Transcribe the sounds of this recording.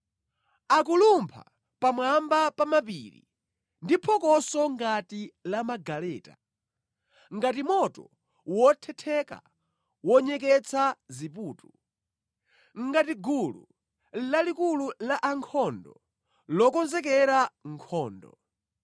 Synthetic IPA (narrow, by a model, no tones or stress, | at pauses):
ak̬ulumpʰa̰ | pamwambapamap̬ḭɾḭ | ndipʰɔkɔsɔŋɡatilamaɡalɛːta | ŋɡatimɔtɔ̰ | wɔtʰɛtʰɛka̰ | wɔɲɛkɛt͡sʰazip̬uːtu | ŋɡatiɡulṵ | lalikululaʔaŋkʰɔndɔ | lɔkɔnzɛk̬ɛɾaŋkʰɔːndɔ̰